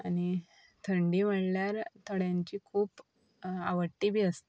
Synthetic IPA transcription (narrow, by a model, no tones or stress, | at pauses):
añi | t̪ʰəɳɖiːʋəɽljaɾt̪əɽjaɲt͡ɕiːkʰuːp | aʋəʈːiːbʱiːəst̪i